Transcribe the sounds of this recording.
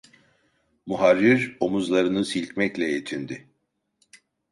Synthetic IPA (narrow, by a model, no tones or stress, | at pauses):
muɦaɾːiɾo̞muzlˠaɾɯnɯsilʲcmɛclʲɛjet̪ʰind̪ɪ